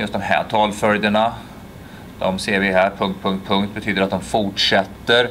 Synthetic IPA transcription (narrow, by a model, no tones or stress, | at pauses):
jɵst̪̚d̪ɔmhæ̰ːʈʰɑːlfœljəɳa | d̪̥ɔmseːɾvɪɦæːɾpʰɵŋkt̪̚pʰɵŋkt̪̚pʰɵŋkt̪̚bɛt̪ʰyːd̪əɾat̪̚d̪ɔmfʊʈʂɛt̪ːəɾ